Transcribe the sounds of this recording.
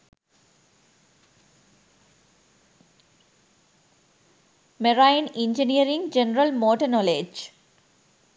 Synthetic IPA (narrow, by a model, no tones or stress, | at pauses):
meɾaɪnɪ̃ɲd͡ʒiniəɾĩŋɡd͡ʒenɾəlmoːʈənɔːled͡ʒ